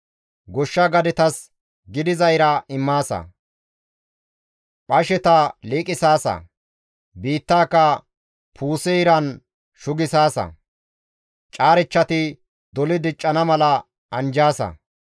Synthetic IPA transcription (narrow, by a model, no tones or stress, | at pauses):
ɡɔʃːɐɡɐd̪ɪt̪ɐs | ɡɪd̪ɪzɐjɾɐɪmːaːsɐ̰ | pʼɐʃɛt̪ɐliːkʼɪsaːsɐ̰ | biːt̪ːaːkːɐ | pʰuːsɛɪɾɐn | ʃʊɡɪsaːsɐ̰ | t͡ʃʼaːɾɪt͡ʃːɐt̪ɪ | d̪ɔlɪd̪ɪt͡ʃʼːɐnɐmɐlɐ | ɐnd͡ʒaːsɐ̰